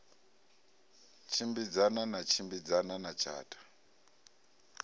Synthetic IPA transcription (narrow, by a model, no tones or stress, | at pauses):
t͡ʃʰimbid͡zananat͡ʃʰimbid͡zananat͡ʃʰa̰ːtʼḁ